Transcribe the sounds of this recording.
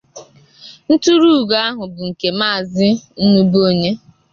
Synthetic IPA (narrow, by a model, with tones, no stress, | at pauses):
n̩˦tu˦ɾu˦˨ɡa˦a˦ɦʊ˨bʊ˨ŋ̩˨ke˨ma˦˨zɪ˦n̩˦nu˦bo˦ɲe˦